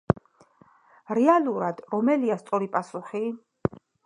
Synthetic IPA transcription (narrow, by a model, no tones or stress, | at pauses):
ɾɛalˠuɾad̪ɾɔmɛliast̪sʼɔɾipʼasuχi